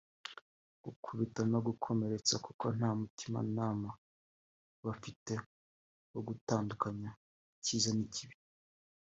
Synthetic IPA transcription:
ɡ̥ukʰuβitanoɡukʰo̞me̞ɾe̞t͡sakukʰo̞n̥haːmutima̰naːma | βafite̞ | oɡutaːndukaɲa | ciːzaniciβi̥

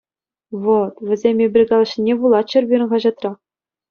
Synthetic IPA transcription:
vot̪ʋʲɘ̆zʲemʲebʲɘ̆rʲɡɑlˠɤ̆ɕnʲːebulˠɑt̪t͡ɕɘ̆rbʲiɾɘ̆nɑʑɑt̪rɑχ

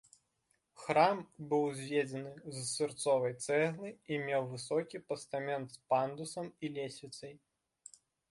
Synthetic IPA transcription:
xɾambɨwzʲvʲed͡zʲɐnɨzsʲɨrt̪sɔvɐjt̪sɛɣlˠɨimʲɛwvɨsɔkʲipɐst̪amʲɛnt̪spand̪usɐmilʲesʲit̪sɐj

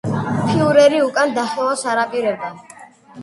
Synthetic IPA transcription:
pʰiuɾɛɾiukʼand̪aχɛvasaɾapʼiɾɛbd̪ɛn

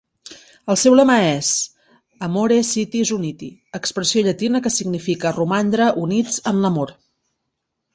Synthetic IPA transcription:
əlˠsɛwləmaɛz | əmoɾesit̪izunit̪iəkspɾəsioʎət̪inəkəsiɡnifikərumand̪ɾəʔunid͡zənləmoɾ

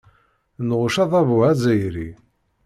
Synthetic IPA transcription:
nʁʊʃɑðˤɑvʊæzæjɾḭ

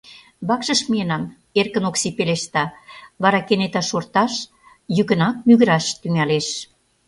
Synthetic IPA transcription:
βɑkʃə̆ʃmienɑm | erkə̆noksipeleʃt̪ɑβɑɾɑkenet̪ɑʃort̪ɑʃ | jykə̆nɑk̚myɣə̆ɾɑʃt̪yŋæleʃ

